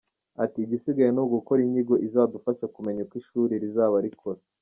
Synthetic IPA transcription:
atiːɟisiɡajenoɡukoɾiɲiɡo̞ʔizaːdufaʃakume̞ɲakwiʃuːɾeɾizaːβaɾikʰoɾa

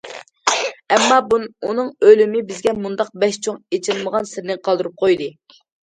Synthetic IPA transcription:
ɛmːɑbunɨŋølɪmɪbɪzɡʲɛmund̪ɑq̚bɛʃt͡ʃʰoŋet͡ʃʰɪlməʁɑnsɪɾnɪqʰɑlˠd̪ɨɾup̚qʰojd̪ɨ

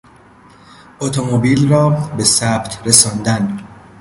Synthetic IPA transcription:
ʔot̪ʰomobiːlrɒːbe̞sæb̥t̪ʰɾesɒːnd̪æn

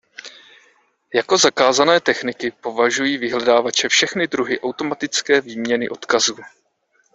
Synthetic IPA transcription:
jako̞zakaːzanɛːt̪ɛxnɪkɪpo̞vaʒujiːvɪɦlɛdaːvat͡ʃɛfʃɛxnɪdɾuɦɪʔawt̪o̞mat̪ɪt͡skɛːviːmɲɛnɪ̰ʔo̞t̪kazuː

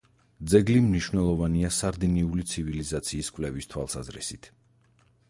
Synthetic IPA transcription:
d̪zɛɡlimniʃvnɛlˠɔvaniasaɾd̪iniulit̪sʰivilizat̪sʰiːskʼwvlɛvist̪ʰwa̰lˠsazɾḭsit̪ʰ

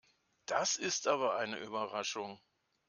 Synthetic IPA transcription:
d̥asɪstʔaːβɐʔaɪnə̰ʔyːbɐʁaʃʊŋ

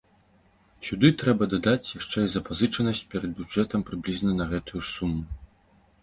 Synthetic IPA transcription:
sʲud̪ɨt̪ɾɛbɐd̪ad̪at͡sʲjaʂt͡ʂɛizɐpazɨt͡ʂɐnɐsʲt͡sʲpʲɛɾɐd̪̚bʲud͡ʐɛt̪ɐmpɾɨblʲiznɐnɐɣɛt̪ujusumu

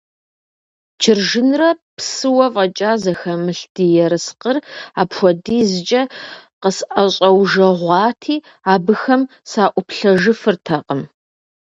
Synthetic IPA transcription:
t͡ʃʰɪrʒɨnrɐpʰsɨwɐvʼɐt͡ʃʼaːzɐxɐmɨɬd̥ijɛɾɨsqəraːpxʷɔdiːzɨt͡ʃʼɐqəsʔɐɕʼɐwʒɐʁʷɑːtʰiː | aːbɨxɐm | saːʔʷʊpɬɐʒɨfɨrtʰɐqʼəm

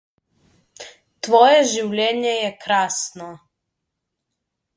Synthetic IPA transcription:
t̪ʋojɛʒiwlʲeɲejɛkɾaːsno

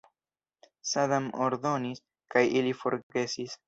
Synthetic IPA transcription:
sadamoɾd̪o̞nis | kajilifo̞ɾɡe̞sis

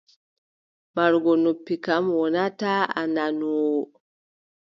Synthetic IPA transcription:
maɾɡɔnopːikamwɔnataa̰nanu

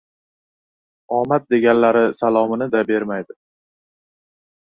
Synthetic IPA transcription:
ɒmat̪̚d̪e̞ɡʲanlaɾɪsalˠɒmɪnɪd̪abe̞ɾmajd̪ɪ

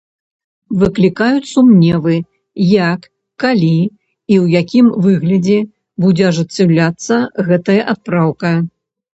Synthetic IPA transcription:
vɨklʲikajut͡sʲsumnʲɛvɨ | jakː | alʲi | iwjakʲimvɨɣlʲɐd͡zʲɛ | bud͡zʲɛɐʐɨt͡sʲːɛwlʲat̪sːɐɣɛt̪ɐjɐʔat̪̚pɾawkɐ

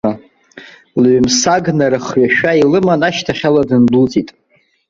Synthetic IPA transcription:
a | lɥmsaɡnaɾɨχɥaʃᶣailɨmanaʃtʰaχʲaladɨnbult͡sʼitʼ

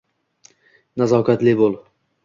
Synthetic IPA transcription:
nazawkat̪lɪbolˠ

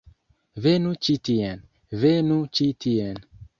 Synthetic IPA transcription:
venut͡ʃitien | venut͡ʃitien

